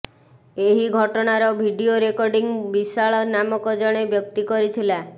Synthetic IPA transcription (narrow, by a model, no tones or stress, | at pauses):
eɦiɡʱɔʈɔɽ̃aɾɔbʱiɖioɾekɔɾɖiŋbisaɭɔnamɔkɔd͡ʒɔɽ̃ebjɔk̚t̪ikɔɾit̪ʰila